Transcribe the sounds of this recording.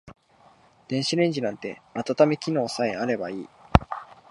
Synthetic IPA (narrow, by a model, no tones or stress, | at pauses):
d̪̥ẽ̞ɰ̃ɕiɾẽ̞ɲ̟d͡ʑinãnt̪e̞at̪at̪ame̞kʲino̞ːsaeaɾe̞baiː